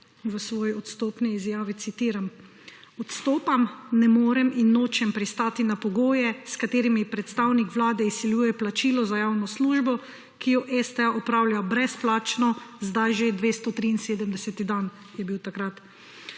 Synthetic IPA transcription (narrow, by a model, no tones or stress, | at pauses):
ʋəsʋɔːjiɔt̪st̪oːpniːzjaːʋit̪sit̪iːɾam | ɔt̪st̪oːpamnɛmoːɾɛminːoːt͡ʃɛmpɾist̪aːt̪inapɔɡoːjɛskat̪eːɾimipɾɛt̪st̪aːwnikʋlaːd̪ɛisːiljuːjɛplat͡ʃiːlɔzajaːwnɔsluːʒbɔ | kijɔʔɛst̪ɛaʔɔpɾaːwljabɾɛsplaːt͡ʃnɔzd̪ajʒed̪ʋeːst̪ɔt̪ɾiːnseːd̪əmd̪ɛsɛt̪id̪an | jɛbiwt̪akɾat̪